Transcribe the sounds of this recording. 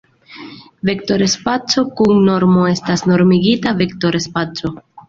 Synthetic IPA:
vekto̞ɾespat͡so̞kuŋno̞ɾmo̞e̞stasno̞ɾmiɡitavekto̞ɾespat͡so̞

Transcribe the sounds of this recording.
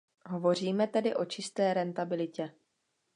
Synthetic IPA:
ɦo̞vo̞r̝iːmɛt̪ɛdɪʔo̞t͡ʃɪst̪ɛːɾɛnt̪abɪlɪcɛ

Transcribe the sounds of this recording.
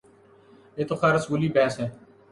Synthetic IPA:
eːt̪oːxaːɾəsʋuliːbɛːsɦɛː

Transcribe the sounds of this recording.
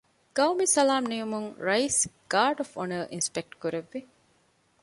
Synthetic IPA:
ɡ̥ɐwmisɐlaːmnijumuŋɾɐisɡ̥aːɾɖofonɐɾʔinspek̚ʈkuɾeʋːi

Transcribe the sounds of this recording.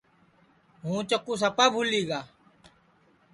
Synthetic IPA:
ɦũːt͡ʃəkːuːs̬əpaːbʱuliːɡaː

